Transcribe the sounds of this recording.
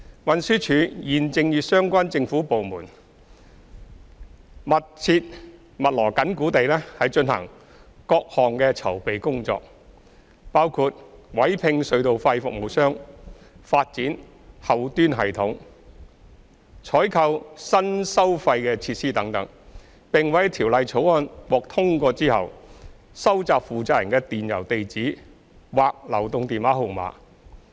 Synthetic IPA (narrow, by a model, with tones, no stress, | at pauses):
wɐ˨nsyː˥t͡ʃʰyː˨˥jiː˨nt͡sɪ˧ŋjyː˨tsœː˥ŋkʷaː˥nt͡sɪ˧ŋfuː˨˥po˨wmuː˨˩n | mɐ˨t̚t͡sʰiː˧t̚ | mɐ˨t̚lɔː˨˩kɐ˨˥nkuː˨˥t̪e˨jlɛː˥hɐ˨jt͡ʃɵ˧nhɐ̰˨˩ŋ | kɔː˧k̚hɔː˨ŋkɛː˧t͡sʰɐ˨˩wpe˨jkʊ˥ŋt͡sɔ̰ː˧k̚ | paː˥wkʰuː˧t̚wɐ˨˥jpʰɪ˧ŋsɵ˨˧ɥt̪o˨˧wfa˧jfʊ˨k̚mo˨˧wsœː˥ŋ | faː˧t̚t͡siː˨˥n | hɐ˨wt̪yː˥nɦɐ˨˩jt̪ʰʊ˨˥ŋ | t͡ʃʰɔː˨˥jkʰɐ˧wsɐ˥nsɐ˥wfɐ˧jkɛː˧t͡sʰiː˧t̚siː˥t̪ɐ˨˥ŋt̪ɐ˨˥ŋ | pɪ˨ŋwɐ˨˥jt̪ʰiː˨˩wlɐ˨jt͡sʰo˨˥wɔː˥nwɔː˨k̚t̪ʰʊ˥ŋkɔː˧t͡siː˥hɐ̰˨w | sɐ˥wt͡saː˨˧pfuː˨t͡saː˧˥jɐ̰˨˩nkɛː˧t̪iː˨njɐ̰˨˩wt̪e˨jt͡siː˨˥ | waː˨k̚lɐ˨˩wt̪ʊ˨˧ŋt̪iː˨nwaː˨˥ɦo˨˧wma̰ː˨˥